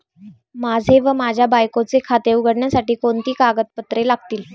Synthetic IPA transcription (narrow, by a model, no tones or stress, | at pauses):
mad͡zʱeʋəmad͡ʑʱjabajkot͡sekʰat̪euɡəɽɳjasaʈiːkoɳt̪iːkaɡət̪̚pət̪ɾelaɡ̚t̪iːl